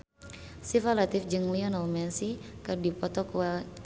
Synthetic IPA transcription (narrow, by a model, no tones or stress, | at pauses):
sifalat̪ifd͡ʒɨŋliɔnɔlmɛnsikɨrdipɔt̪ɔkuwa